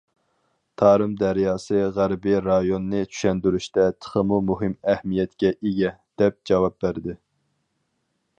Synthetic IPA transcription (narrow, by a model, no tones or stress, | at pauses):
t̪ʰɑːɾɨmd̪æɾjɑːsɨʁæɾbɪɾɑjonːɨt͡ʃʰy̥ʃɛnd̪yɾyʃt̪ɛt̪ʰə̥χəmumuɦɨmæhmijɛt̪kʲɛʔeɡʲɛd̪̥ɛp̚d͡ʒɑwɑp̚bæɾd̪ɪ